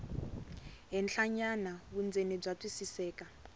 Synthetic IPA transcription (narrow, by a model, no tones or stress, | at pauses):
ɦɛnɬaɲanaβund͡zenib͡ʐatʼwisisɛːka